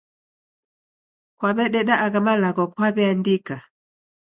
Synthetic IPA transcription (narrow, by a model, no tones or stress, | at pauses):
kwaβɛɗɛɗaʔaɡamalakɔkwaβɛandika